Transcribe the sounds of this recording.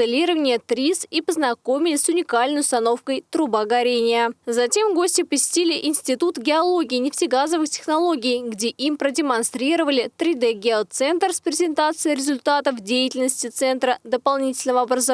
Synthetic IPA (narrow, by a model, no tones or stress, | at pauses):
ɨlʲiɾəvənʲɪjət̪ɾʲisipəznɐko̞mʲɪlʲɪsʊnʲɪkalʲnəjʊst̪ɐno̞fkəjt̪ɾʊbaɡɐɾʲenʲɪjəzɐtʲe̞mɡo̞sʲtʲɪpəsʲɪ̥tʲilʲɪʔɪnʲsʲtʲɪt̪ut̪ɡʲɪɐlˠo̞ɡʲɪːnʲɪfsʲɪɡazəvɨxtʲɪ̥xnɐlˠo̞ɡʲɪjɡdʲe̞ʔimpɾədʲɪmɐnst̪ɾʲiɾəvəlʲɪt̪ɾʲɪd̪ɛɡʲet̪sɛnt̪rspɾʲɪzʲɪnt̪at̪sɨjɪɾʲɪzʲʊlʲt̪at̪əfdʲejɪtʲɪlʲnəsʲtʲɪt̪sɛnt̪ɾəd̪əpɐlˠnʲitʲɪlʲnəvəɐbɾəz